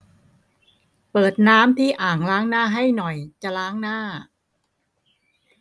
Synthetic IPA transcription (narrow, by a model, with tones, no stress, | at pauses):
pɤː˨˩t̪̚naː˦˥mt̪ʰiː˥˩ʔaː˨˩ŋlaː˦˥ŋnaː˥˩ɦa˥˩jnɔ˨˩jt͡ɕa˨˩laː˦˥ŋnaː˥˩